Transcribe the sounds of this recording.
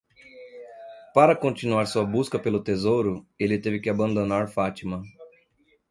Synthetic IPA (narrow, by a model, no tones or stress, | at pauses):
paɾɐkõnt͡ʃinuaɾsuɐbuskɐpelʊt̪ezowɾʊelɪt̪evɪkɪabɐ̃nd̪onaɾfat͡ʃimɐ̃